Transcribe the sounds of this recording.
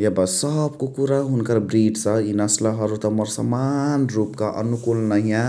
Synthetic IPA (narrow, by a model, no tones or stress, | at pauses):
ebʌsʌbkokuɾaɦunkarbriɖt͡sʰʌinʌslaɦʌɾut̪ʌmʌrsʌ̰manrupkaʔʌ̰nukulnʌɦjã